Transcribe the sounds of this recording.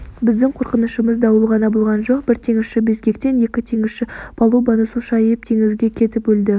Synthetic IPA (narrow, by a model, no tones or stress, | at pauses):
bɪzd̪ɪŋqʰoɾqənəʃəməzd̪ɑwəlˠʁɑnɑbolˠʁɑnʒo̞qbɪɾt̪ʰe̞ŋɪsʃɪbezɡʲkʲe̞k̚t̪e̞nje̞kʲɪt̪ʰe̞ŋɪzʃɪbʰɑlˠubɑnəsuʃɑjɪp̚t̪ʰe̞ŋɪzuɡʲekʲʰe̞t̪ɪpbɵld̪ɪ